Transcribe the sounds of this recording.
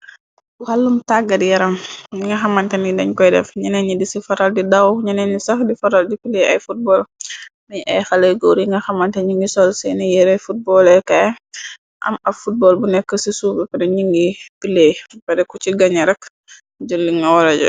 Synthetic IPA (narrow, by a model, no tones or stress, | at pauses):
buhɐlːumtaɡːɐdijɐɾɐmiŋɡɐxɐmɐntɛnidɐɲkɔjdɛfɲɐnɛɲidisifɐɾɐldidɐwɲɐnɛɲisɐxdifɐɾɐldipileɐ̰jfut̚bɔlniɲʔɛjxɐləjɡɔwɾiŋɡɐxɐmɐntɛɲiŋɡisɔlsɛnijɛɾɛfut̚bɔlɛkɐ | ʔɐ̰mɐfut̚bɔlbunɛkːəsisubɛpɛdɛɲiŋɡipilebɛdɛkːut͡ʃiɡɐɲɐɾɛk | d͡ʒɔlːiŋɡɐwɔɾɛɟɛ̰